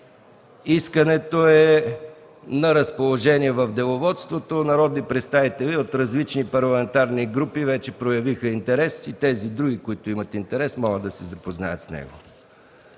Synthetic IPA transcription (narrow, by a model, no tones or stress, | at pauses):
iskənɛt̪oɛ | nɐɾɐspolˠoʒɛniɛvɐvd̪ɛlˠovɔt̪st̪vot̪onɐɾɔd̪nipɾɛt̪st̪avit̪ɛliot̪ɾɐzlit͡ʃnipɐɾlˠɐmɛnt̪aɾniɡɾupivɛt͡ʃɛpɾojɐvixəint̪ɛɾɛsit̪ɛzid̪ɾuɡikoit̪ʊimɐt̪int̪ɛɾɛsmɔɡəd̪ɐsɛzɐpozna̰jət̪snɛ̰ɡo̰